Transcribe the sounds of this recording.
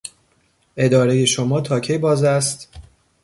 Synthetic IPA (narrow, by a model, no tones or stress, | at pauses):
ʔe̞d̪ɒːɾe̞je̞ʃomɒːt̪ʰɒːcʰejbɒːzæst̪